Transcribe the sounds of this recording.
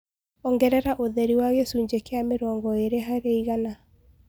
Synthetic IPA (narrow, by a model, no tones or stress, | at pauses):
ɔŋɡɛɾɛɾaʔoðɛɾiwaɣɛsuːɲd͡ʒekeameɾɔːŋɡɔeɾeɦaɾeiɣana